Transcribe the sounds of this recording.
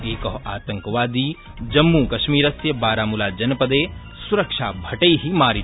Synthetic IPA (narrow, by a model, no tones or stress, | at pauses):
eːkɐɦaːt̪ɐ̃ŋkʋaːd̪iː | d͡ʒɐmːukɐʃmiːɾɐsjɐbaːɾaːmulaːd͡ʒɐnpɐd̪eː | suɾɐkʃa̰ːbʱɐʈəiɦimaːɾi